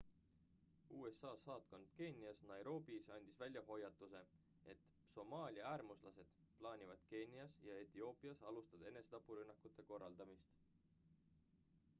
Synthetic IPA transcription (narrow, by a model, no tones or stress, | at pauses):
uːe̞sːɑːsɑːt̪ko̞nd̪̥ke̞nʲiɑsnɑjɾo̞ːbisɑnʲd̪̥isvælʲjɑɦo̞jɑt̪ːˑuse̞ | e̞t̪ | so̞mɑːlʲiɑæːrmuslɑse̞d̪̥ | plɑːnʲivɑd̪̥ke̞nʲiɑsjɑe̞t̪io̞ːpˑiɑsɑlust̪ɑd̪̥e̞ne̞set̪ɑpːˑuɾynːɑkːˑut̪ːˑe̞ko̞rːɑld̪̥ɑmist̪